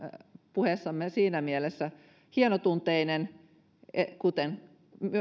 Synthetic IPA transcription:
puhesːɑmːesiːnæmielesːæ | hienot̪unt̪einen | ekut̪en | myø

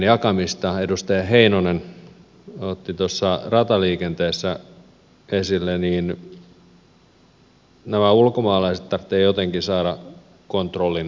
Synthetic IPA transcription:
njɑkɑmist̪ɑedust̪ɑjɑheinonen | ot̪ːit̪osːɑrɑt̪ɑliːkent̪eːsːæ | esilːeniːn | næmæulkomɑːlɑiset̪t̪ɑrt̪ːeːjot̪eŋkisɑːɾɑ | kont̪rolːin

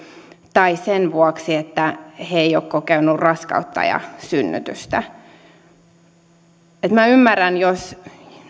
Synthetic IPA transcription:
t̪ɑisenʋuɑksiet̪ːæheeijoːkkːokeynurrɑskɑ̰ut̪ːɑ̰jɑ̰synːy̰t̪yst̪æ | et̪mæymːærænjos

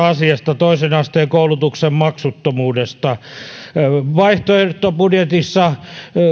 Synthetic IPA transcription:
ɑsiɑst̪ɑt̪oisenɑst̪eːkoulut̪uksemmɑksut̪ːomuːdest̪ɑ | ʋɑiht̪oirt̪ːopudjet̪isːɑ

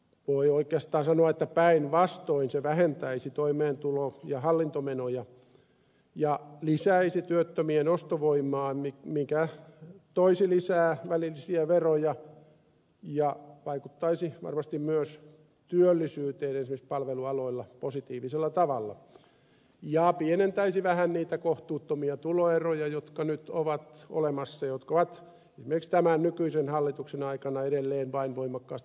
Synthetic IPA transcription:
ʋoioikːˑeɑst̪ɑːnsɑnoɑet̪ːæpæinʋɑst̪oinseʋæhent̪æisit̪oimeːnt̪ulojɑhɑlːint̪omenojɑ | jɑlisæisit̪yøt̪ːømienost̪oʋoimˑɑːmimikæt̪oisilisæːʋælilːisiæʋerojɑ | jɑʋɑikut̪ːɑisiʋɑ̰rmɑst̪immyøs | t̪yølːisyːt̪eːensimispɑlʋeluɑloilːɑposit̪iːʋiselːɑt̪ɑʋɑlːɑ̰ | jɑpienent̪æisiʋæhænniːt̪ækoht̪uːt̪ːomiɑt̪uloerojɑjot̪kɑnyt̪oʋɑt̪o̰lemɑsːɑjot̪koʋɑt̪ | esimerikst̪æmænnykyisenhɑlːit̪uksenɑikɑnɑeɾelːeːnʋɑinʋoimɑkːɑːst̪

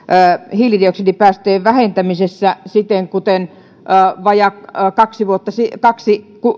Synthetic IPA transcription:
hilirioksenipæːst̪eːʋʋæhent̪æmisesːæsit̪eŋkut̪enː | ʋɑjɑkɑksiʋuot̪ːɑsikɑksiku

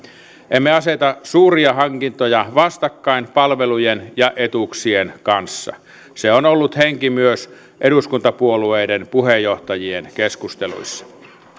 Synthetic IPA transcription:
ʔemːeɑset̪ɑsuːriɑɦɑŋkint̪ojɑʋɑst̪ɑkːɑinpɑlʋelujenjɑʔet̪uksienkɑnsːɑ̰ | seonolːut̪heŋkimyøs | ʔeɾuskunt̪ɑpuolueːdenpuhejːoht̪ɑjienkeskust̪elṵisːɑ̥

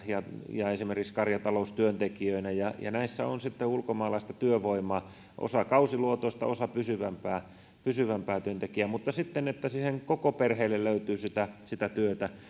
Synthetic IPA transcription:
jɑjɑesimerkikskɑrjɑt̪ɑloust̪yønt̪ekiøinæjɑjɑ̰næisːæo̰nsit̪ːeulkomɑːlɑist̪ɑt̪yøʋoimˑɑː | ʔo̰sɑkɑusiluot̪oist̪ɑ̰osɑpysyʋæmpæː | pysyʋæmpæːt̪yønt̪ekiæmut̪ːɑsit̪ːenet̪ːæsiːheŋkokoperheːlːelløyt̪yːsit̪æsit̪æt̪yøt̪æ

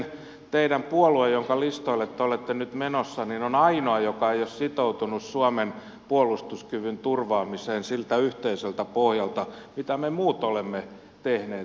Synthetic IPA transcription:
n | t̪eiɾæmpuoluejjoŋkɑlist̪oilet̪ːeolet̪ːenyt̪menosːɑninonɑinoɑjokɑejossit̪out̪unussuɑmen | puolust̪uskyʋynt̪urʋɑːmiseːnsilt̪æyht̪eiselt̪æpohjɑlt̪ɑmit̪æmemuːt̪olemːe | t̪ehneː

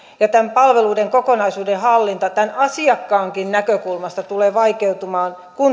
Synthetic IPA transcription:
jɑt̪æmpɑlʋeluːdeŋkokonɑisuːdehɑlːint̪ɑt̪ænɑsiɑkːɑːŋkinnækøkulmɑst̪ɑt̪uleːʋɑikeut̪umɑːn | kun

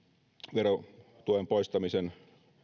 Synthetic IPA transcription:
ʋeɾo | t̪uempo̞ist̪ɑmisen

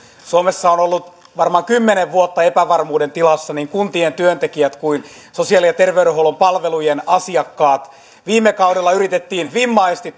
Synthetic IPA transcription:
suomesːɑonolːut̪ | ʋɑrmɑŋkymːeneʋʋuot̪ːɑepæʋɑrmuːdent̪ilɑsːɑniŋkunt̪ient̪yønt̪ekiæt̪kuin | sosiɑlijjɑt̪erʋeyuɾehoulompɑlʋelujenɑsiɑkːɑːt̪ | ʋiːmːekɑudelːɑyrit̪et̪ːiːnʋimːɑiest̪i

